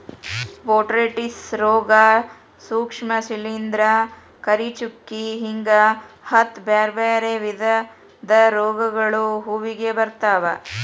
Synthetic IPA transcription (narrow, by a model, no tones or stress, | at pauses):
ʋoːʈɾeʈisɾɔːɡa | suːkʂmɐsilind̪ɾɐ | kɐɾit͡ʃukːiɦiŋɡɐ | hɐt̪beːɾbeːɾeʋid̪ʱɐ | d̪ɐɾɔːɡɐɡɐɭuɦuːʋiɡebɐɾt̪aːʋɐ̰